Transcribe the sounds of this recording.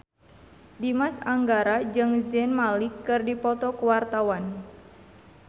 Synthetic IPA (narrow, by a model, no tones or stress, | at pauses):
dimasaŋɡaɾad͡ʒɨŋzɛnmalikːɨrdipɔt̪ɔkuwart̪awan